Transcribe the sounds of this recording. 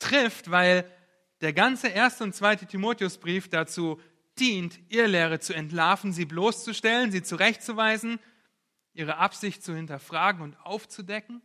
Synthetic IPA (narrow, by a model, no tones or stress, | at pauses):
tʁ̥ɪftv̥aɪl | d̥eːɐɡant͡səʔeːɐstəʊntt͡sv̥aɪtətʰimoːtjʊsb̥ʁiːfd̥at͡suː | d̥iːntʔɪːɐleːʁ̞ət͡suɛntlaːfn̩ziːbloːst͡suʃtɛlənziːt͡suʁɛçt̚t͡suvaɪzn̩ | ʔiːʁ̞əʔapz̥ɪçtt͡suhɪntɐfʁ̥aːɡŋ̩ʊntʔaʊft͡sudɛkŋ̩